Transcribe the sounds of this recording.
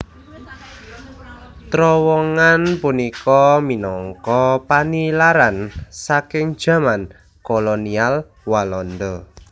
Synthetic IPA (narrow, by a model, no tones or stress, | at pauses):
t̪ɾɔwɔŋanpunikɔminɔŋkɔpanilaɾansakɪŋ̥d͡ʒ̥ä̤man | kolonial | walɔnd̪ɔ